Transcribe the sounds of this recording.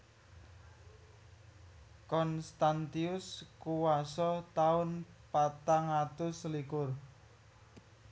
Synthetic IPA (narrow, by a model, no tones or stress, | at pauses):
kɔnst̪ant̪iʊskuwasɔt̪aʊnpat̪aŋat̪ʊslikʊr